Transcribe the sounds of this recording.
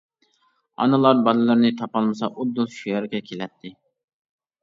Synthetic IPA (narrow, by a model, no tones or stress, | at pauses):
ɑ̰nɨlˠɑɾbɑlɨlˠɨɾnɪt̪ʰɑpɑlˠmɨsɑʔud̪ːulˠʃyjɛɾkʲɛkʲʰelɛt̪ʰːɪ